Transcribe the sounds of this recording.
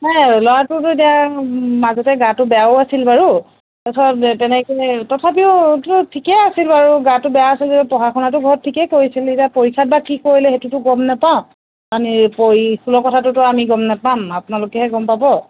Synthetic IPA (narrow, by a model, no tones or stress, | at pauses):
najlɔwatʊtʊetijamazɔtɛɡatʊbɛjaʊasilbaɹu | tasɔttɛnɛkɛtɔtʰap̬iʊtʊtʰikɛasilbaɹuɡatʊbɛjaasilzeɛpɔxaxʰɔnatʊɡʱɔɹɔtʰːikɛkoɹisiletapoɹikʰːat̚bakikoɹilɛɦetutʊɡɔmnapaʊ̃ | anipoɹikʰulɔkɔtʰatʊtʊamiɡɔmnapamapʊnalʊkɛɦɛɡɔmpabɔ